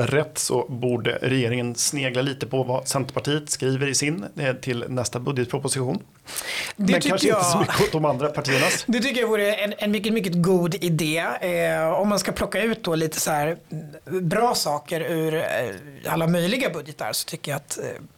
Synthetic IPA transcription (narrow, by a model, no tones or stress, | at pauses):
ɾɛt̪ːsɔ̰buːɖə̰ɾɛjeːɾɪŋənsneːɡlaliːt̪əpʰɔvasɛnt̪əpʰaʈʰiːət̪skɾiːvəɾɪsɪnt̪ʰɪlnɛst̪abɵd̪jət̪pʰɾʊpʊsɪɧṵːn | d̪ɛɛkʰanʂɪəsɔmʏkːəɔt̪̚d̪ɔmand̪ɾapʰaʈʰiːəɳad̪ɛt̪ʰʏkːəɾjavuːɾəɛnɛnmʏkːəmʏk̬ːəɡuːd̪ɪd̪eː | ɔmːanskapʰlɔkːaʉ̟ːt̪̚d̪ɔliːt̪ʰə̥sæːɾ | bɾɑːsɑːkəɾʉɾ | a̰lːamœjlɪɡabɵd̪jət̪ʰə̰ɾsɔ̥t̪ʰʏkːəjaːt̪